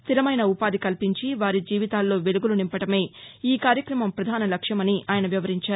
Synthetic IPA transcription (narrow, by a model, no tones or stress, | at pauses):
st̪ilɐmɐjnɐupaːd̪ikɐlpiɲt͡ʃiʋaːɾid͡ʒiːʋit̪aːlːo̞ːʋe̞luɡulunimpɐʈɐme̞ːiːkaːɾjɐkɾɐmɐmpɾɐd̪ʱaːnɐlɐkʂjɐmɐniʔaːjɐnɐʋjɐʋɐɾiɲt͡ʃaːɾ